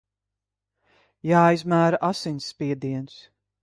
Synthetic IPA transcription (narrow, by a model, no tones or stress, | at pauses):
jaːjzmæːɾaʔasinʲsːpʲiɛd̪iɛns